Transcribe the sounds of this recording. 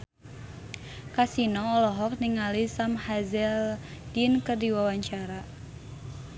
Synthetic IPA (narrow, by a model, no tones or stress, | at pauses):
kasinɔːlɔɦɔk̚niŋalisamhazɛld̥inkərdiwawaɲt͡ʃaɾa